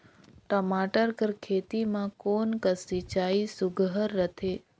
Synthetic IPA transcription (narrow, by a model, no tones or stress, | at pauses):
ʈəmaʈəɾkəɾkʰet̪imãkonkəsit͡ʃaisʊɡɦəɾːət̪ʰe